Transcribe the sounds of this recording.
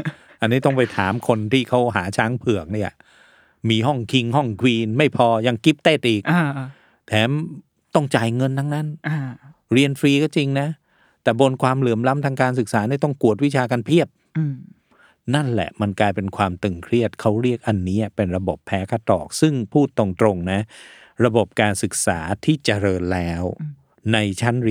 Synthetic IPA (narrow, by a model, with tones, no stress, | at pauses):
ʔa˧nːiː˦˥t̪ɔ˥˩ŋp̬a˧jt̪ʰaː˩˦mkʰo˧nt̪ʰiː˥˩kʰa˦˥wɦaː˩˦t͡ɕʰaː˦˥ŋpʰɯ˨˩ək̚ni˥˩ɐ | miː˧ɦɔ˥˩ŋkʰi˧ŋɦɔ˥˩ŋkʰwiː˧nma˥˩jpʰɔː˧ja˧ŋki˦˥p̚t̪eː˥˩t̪̚ʔiː˨˩kː | t̪ʰɛː˨˦˥m | t̪ɔ˥˩ŋt͡ɕa˧jŋɤ˧nt̪ʰa˦˥ŋna˦˥n˧ | ɾi˧ənfɾiː˧kɔː˥˩t͡ɕi˧ŋna˦˥ | t̪ɛː˨˩bo˧nkʰwaː˧mlɯː˩˦mla˦˥mt̪ʰaː˧ŋkaː˧ns̬ɯ˨˩k̚saː˩˦na˥˩jt̪ɔ˥˩ŋku˨˩ət̪̚wi˦˥t͡ɕʰaː˧kaː˧npʰi˥˩əp̚ː | na˥˩nlɛ̰˨˩ʔma˧nklaː˧jpe˧nkʰwaː˧mt̪ɯ˨˩ŋkʰɾi˥˩ət̪̚kʰa˦˥wɾi˥˩ək̚ʔa˧nːiː˦˥ʔa˨˩pe˧nɾa˧bo˨˩pʰːɛː˦˥kʰa˧˥t̪ɔ̰ː˨˩k̚sɯ˥˩ŋpʰuː˥˩t̪ːo˨˩ŋt̪ɾo˧ŋna˦˥ | ɾa˧bo˨˩p̚kaː˧nsɯ˨˩k̚sa̰ː˩˦t̪ʰiː˥˩t͡ɕa˧ɾɤː˧nlɛː˦˥w | na˧jt͡ɕʰa˦˥n